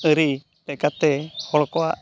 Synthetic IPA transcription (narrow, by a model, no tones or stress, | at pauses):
əɾi | lɛkat̪ɛhɔɭɔkɔwaʔ